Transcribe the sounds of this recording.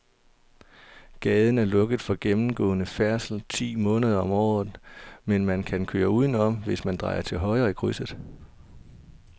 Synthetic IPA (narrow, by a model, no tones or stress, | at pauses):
ɡ̥ɛːðˠn̩æɐlɔ̽ɡ̥əð̩ˠfɒ̽ɡ̥emm̩ɡ̥ɔ̰̽ːnəfæɐsl̩t͡sʰḭːmɔ̽ːnəð̞ˠɐɒ̽mɒ̰ːð̩ˠmenmænkʰænkʰø̰ːɐuːð̞ˠn̩ɒ̽mʋe̝smænd̥ʁɑ̈ɪɐt͡sʰe̝lɦɒ̽ɪɐːikʰʁysð̩ˠ